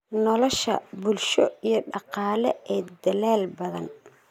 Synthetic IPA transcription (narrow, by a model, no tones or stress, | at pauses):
nɔlɔʃɐ̰bʊlʃɔijɞɖɑqɑːlɛɛːd̪ɐlaːlbɐðɐn